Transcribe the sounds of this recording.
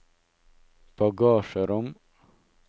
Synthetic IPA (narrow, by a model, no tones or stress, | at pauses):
b̥ɑɡɑːʃəɾɔm